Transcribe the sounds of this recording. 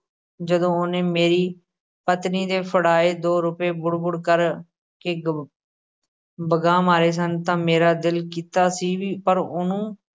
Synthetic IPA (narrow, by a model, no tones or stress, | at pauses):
d͡ʒəd̪õːonẽːmeːɾiː | pət̪niːd̪eːpʰəɽaːeːd̪oːɾʊpeːbʊɽbʊɽkəɾ | ke | bəɡaːmaːɾeːs̬ənt̪ãːmeːɾaːd̪ɪlkiːt̪aːsiːʋiːpəɾʊnũː